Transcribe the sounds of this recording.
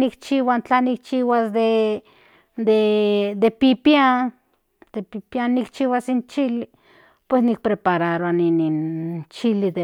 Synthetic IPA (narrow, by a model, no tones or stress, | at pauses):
nikt͡ʃiwant͡ɬanik̚t͡ʃiwasd̪e | d̪ed̪epipjan | d̪̥epipjanːikt͡ʃiwasint͡ʃili | pwesnik̚pɾepaɾaɾoaninint͡ʃilid̪e